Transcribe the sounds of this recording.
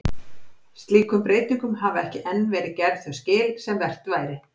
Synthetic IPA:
st̪liːkʏmpɾeːjt̪iŋkʏmɦavaɛhcɪʔɛnːvɛːɾɪðcɛɾð̥θœscɪːlsɛmvɛr̥t̪vaːjɾɪ

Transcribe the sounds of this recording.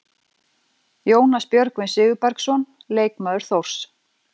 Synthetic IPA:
joːwnaspjœɾkvɪnsɪːɣʏpaɾksɔn | leːjkmaðʏɾ̥θowr̥s

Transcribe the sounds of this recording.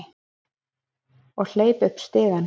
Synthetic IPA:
ɔɣl̥eːjpʏhpst̪ɪːɣan

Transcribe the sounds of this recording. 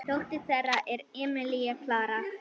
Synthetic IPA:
t̪oht̪ɪsɛrːaʔɛɾɛːmɪliɛkʰlaːɾa

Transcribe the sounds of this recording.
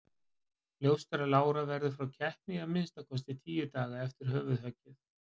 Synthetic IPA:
ljowst̪ɛɾalaːwɾavɛɾðʏfɾawcʰɛhp̪nɪɣamɪnst̪akʰɔs̬t̪ɪt̪ʰiːjʏt̪aːɣaɛft̪ɪɾ̥ɦœːvʏðhœcːɪθ

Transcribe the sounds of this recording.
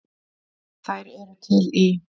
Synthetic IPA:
θajɾɛɾt̪ʰɪli

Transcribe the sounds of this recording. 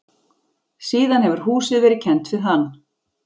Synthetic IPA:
siːðanhɛvʏɾ̥huːsɪðvɛːɾɪcʰɛnt̪vɪðɦanː

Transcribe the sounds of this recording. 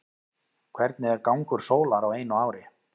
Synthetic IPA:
kʰvɛɾt̪̚nɪɛɾkawŋkʏɾ̥soːwlaɾaweːjnʏaːwɾɪ

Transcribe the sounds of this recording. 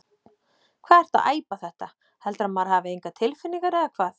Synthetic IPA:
kʰvaːðɛɾ̥t̪a̰ðʔa̰ːjpaθɛht̪a | hɛlt̪ɾamaɾ̥ɦaːvɪejŋkat̪ʰɪlfɪnːiŋkaɾɛðakʰvaːθ

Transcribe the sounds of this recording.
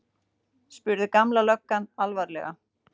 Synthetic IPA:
spʏɾðɪkamlalœkːanalvaɾlɛ̰ɣa̰

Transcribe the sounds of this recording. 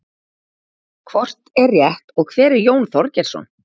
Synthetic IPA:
kʰvɔr̥t̪ɛrːjɛht̪ɔɣkʰvɛːɾɪɾjoːwnθɔɾcɛɾ̥sɔ̰n

